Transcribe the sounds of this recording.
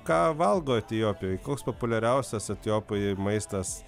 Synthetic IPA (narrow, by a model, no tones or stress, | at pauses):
kɑːʋɐlˠɡoːɐt̪ʲɪjoːpʲɪjoːjkoːkspopʊlʲɛɾʲɛʊsʲɛsɐt̪ʲɪjoːpʲojmɐɪst̪ɐs